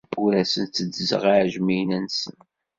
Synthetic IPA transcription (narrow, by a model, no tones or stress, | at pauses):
wɾæsənt͡s̪ːədzə̰ʁaʕʒminænsən